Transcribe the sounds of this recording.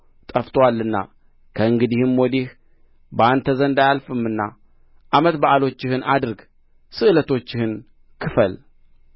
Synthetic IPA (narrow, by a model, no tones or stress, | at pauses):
t̪ʼəft̪ʰʼwalːɨnːa̰ | kʰəɨŋɡɨd̪ihɨmwɔd̪ih | bant̪ʰəzənd̪ajalfɨmːɨnːa | ʔamət̪baʔalo̞t͡ʃːɪhɨnʔad̪ɨɾɡ | sɨʔɨlət̪ʰo̞t͡ʃːɪhɨn | kʰɨfəl